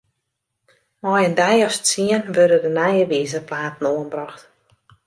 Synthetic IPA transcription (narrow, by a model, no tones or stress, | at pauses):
mɔjəndɛjɔsətsiənʋørdədənajəʋiːzəplaːtn̩oənbrɔxt